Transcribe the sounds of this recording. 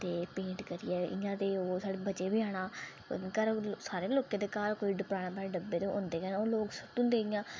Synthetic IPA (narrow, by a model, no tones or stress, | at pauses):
t̪eːpẽːɳʈkəɾɪjɛːɪ̰jãːt̪eːoːsaːɽeːbət͡ʃeːbɪaːɽa̰ː | kəɾsaːɾeːloːkẽːd̪eːkaːɾkoːiːɖəpɾaːnãːpɛːɽẽɖəbːeːd̪oʔõ̰ːnd̪eːkənoːloːksʊt̪ʊ̃nd̪eːɪjãː